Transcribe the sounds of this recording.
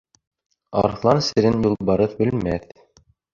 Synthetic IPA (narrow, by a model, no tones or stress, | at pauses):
ɑ̰ɾχlˠɑnsɘ̆ɾɘnjulˠbɑɾɤθbɘ̆lmæθ